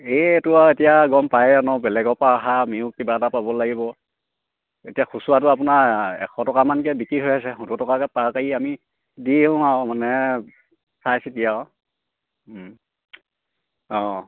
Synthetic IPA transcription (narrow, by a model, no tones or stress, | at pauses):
etʊaetijaɡɔmpajanɔbɛlɛɡɔpaaɦamiʊkːibatapabɔlaɡibɔ | etijaxusuwatʊap̬ʊnaɛ̰kʰɔtɔkamankɛbikɹiɦojasɛxututɔkakɛpaɹkajiami | diɦʊ̃awmanɛ | sajsitija | ɔ̃